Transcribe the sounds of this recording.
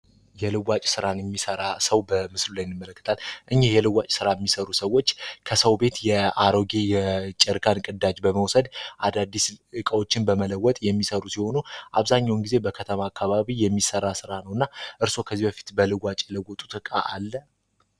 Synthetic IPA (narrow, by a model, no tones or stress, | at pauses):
jɛlɨwat͡ʃʼsɨɾanjɛmːisəɾasəwbəmɨslulajnːɨmːələkːɨt̪ʰalʔɨɲːehjɛlɨwat͡ʃʼsɨɾajɛmːisəɾusəwːo̞t͡ʃːkʰəsəwbe̞t̪jɛaɾo̞ɡe̞jɛt͡ʃʼɛɾkʰankʼɨd̪ad͡ʒbəməwsəd̪ʔad̪ad̪ːisɨkʼəwo̞t͡ʃːɪnbəmələwːɔt̪ʼjɛmːisəɾusiho̞nuʔaβzaɲːawnɡize̞bəkʰət̪ʰəmaːkʰːaβaβijɛmːisəɾasɨɾanəwɨnːaʔɨɾso̞kʰəzːibəfi̥t̪bəlɨɡʷat͡ʃʼɛləɡʷɔt̪ʼu̥t̪ɨkʼa̰ʔalːə